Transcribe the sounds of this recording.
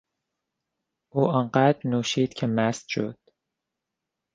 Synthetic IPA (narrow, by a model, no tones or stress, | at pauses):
ʔuːʔɒːɴɢæd̪ɾnuːʃiːd̪̥cʰemæst̪ʃo̰d̪̥